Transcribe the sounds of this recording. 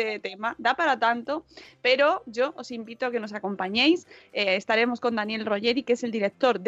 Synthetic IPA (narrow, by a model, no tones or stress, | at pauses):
et̪emad̪apaɾat̪ant̪ope̞ɾo̞ʝo̞ʔosimbit̪oake̞no̞s̬ako̞mpaɲe̞jseest̪aɾe̞mo̞sko̞nd̪anje̞lro̞ʝe̞ɾikese̞ld̪iɾe̞k̚t̪o̞ɾð